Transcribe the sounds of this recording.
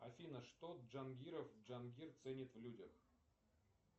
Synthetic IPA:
ɐfʲinəʂt̪oʐanɡʲiɾəfʐanɡʲirt̪sɛnʲɪt̪vlʲudʲəx

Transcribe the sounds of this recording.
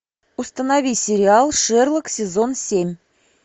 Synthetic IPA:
ust̪ənavʲisʲɪɾʲɪɑlˠʂɛrlˠəksʲezonsʲemʲ

